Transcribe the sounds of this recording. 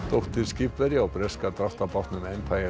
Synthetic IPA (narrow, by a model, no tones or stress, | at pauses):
t̪ɔht̪ɪɾscɪpvɛɾjaawpɾɛskat̪ɾaft̪apaht̪nʏmɛjmpʰajɛ